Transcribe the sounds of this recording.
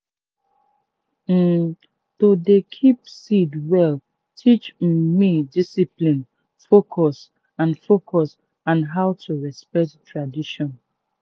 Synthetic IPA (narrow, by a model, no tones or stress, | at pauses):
d̥odekʰipsidwɛl | tʰit͡ʃmidisiplĩn | fokʰɔs | ãnfokʰɔs | ãnɦaʊtʰuɹɛspɛk̚ttʰɹadiʃɔ̃n